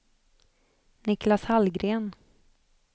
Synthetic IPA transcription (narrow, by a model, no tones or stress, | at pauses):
nɪklashalɡɾeːn